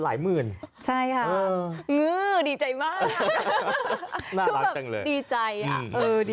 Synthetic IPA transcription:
la̰ː˩˦jmɯː˨˩nt͡ɕʰa˥˩jkʰa˥˩ɤː˩˧ŋɯː˧˩diː˧t͡ɕa˧jmaː˥˩k | naː˥˧˩la˦bɛː˨˩t͡ɕa˧ŋlɤ̰ː˧jdiː˧t͡ɕa˧ja˧˩ʔɤː˧diː˧

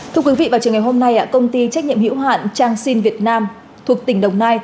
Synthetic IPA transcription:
t̪ʰɨ˧əkwvḭ˧˨vaː˨˩t͡ɕɨ˨˩əŋa˨˩jho˧mna˧jʔa̰ː˧˨kə˧wŋ͡mt̪i˧t͡ɕa˦˥k̟̚ɲḭ˧˨əmhḭ˧˥wɦa̰ː˧˨nt͡ɕaː˧ŋsi˧nvi˨˩ət̚naː˧m | t̪ʰu˨˩ək̚t̪ï˧˩ŋ̟ɗə˨˩wŋ͡mnaː˧j

